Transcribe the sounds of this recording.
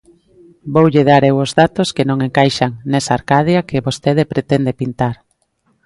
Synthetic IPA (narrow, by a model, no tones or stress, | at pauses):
bowʎeðaɾewozðat̪oskenõŋeŋkajʃaŋnesaːɾkaðjakeβost̪eð̞epɾet̪end̪epint̪aɾ